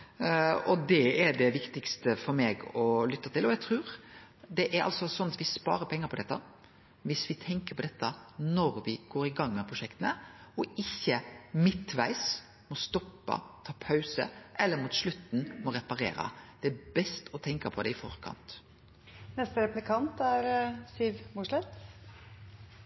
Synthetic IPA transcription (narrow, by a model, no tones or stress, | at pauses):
ɔd̪ɛɛɖɛʋɪkt̪ɪkst̪əfɔɾmeːɡɔlʏt̪ːɑt̪ɪlɔjɛɡt̪ʰɾʉːɾd̪ɛʔæɾɑ̰lsɔsɔnːɑt̪ʋɪspɑ̰ːɾəɾpʰɛŋːəɾpʰɔd̪ɛt̪ːɑ | ʋɪsʋɪt̪ʰɛŋkəɾpʰɔd̪ɛt̪ʰːənɔɾʋɪɡ̥oːɾɪɡɑŋːmɛpʰɾʊʂʃɛkt̪ənəɔɪçːəmɪt̪ʋæ̰ɪs | mɔst̪ɔpːɑ̰t̪ʰɑːpʰɑʉsə̰ʔɛlːəɾmuːt̪ʂɭʉt̪ːn̩mɔɾɛpɑɾḛːɾə̰d̪̥ɛæbɛst̪ʰɔt̪ʰɛŋkɑpʰɔd̪ɛɪfɔ̰ɾkʰɑ̰nt̪ | nɛst̪əɾɛplɪkʰɑnt̪æɾsiʋmuʂlɛt̪